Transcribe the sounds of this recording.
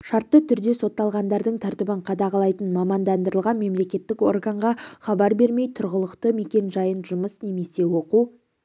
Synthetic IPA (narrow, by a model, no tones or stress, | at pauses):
ʃɑɾt̪ːət̪ʰʏɾd̪e̞so̞t̪ːɑlˠʁɑnd̪ɑɾd̪əɴt̪ʰæɾt̪ɪbɪɴqʰɑd̪ɑʁɑlˠɑjt̪ənmɑmɑnd̪ɑnd̪əɾəlˠʁɑnme̞mle̞kʲe̞t̪ːɪko̞̰rɡaɴʁɑχɑbɑɾbe̞ɾme̞jt̪ʰʊɾʁəlˠəqt̪əme̞kʲe̞nʒɑjənʒʊməsne̞me̞se̞wo̞quw